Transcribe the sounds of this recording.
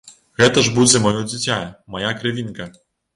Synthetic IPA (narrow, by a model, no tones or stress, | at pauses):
ɣɛt̪ɐʐbud͡zʲɛmɐjɔd͡zʲit͡sʲamɐjakɾɨvʲinkɐ